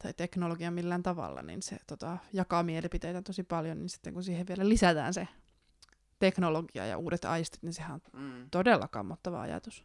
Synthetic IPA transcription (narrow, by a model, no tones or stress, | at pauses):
t̪ɑjt̪eknoloɡiɑmilːæːnt̪ɑʋɑ̰lːɑ̰nḭnsḛt̪ot̪ɑjɑkɑmielipit̪ejt̪æt̪osipɑljoninsi̥t̪ːḛŋkunsiːheʋʋielælisæt̪æ̰ːnse | t̪eknoloɡiɑ̰jɑ̰ʔuːdet̪ɑ̰ist̪i̥t̪ninsehæont̪odelːɑkɑ̰mːot̪ːɑʋɑ̰ɑ̰jɑ̰t̪us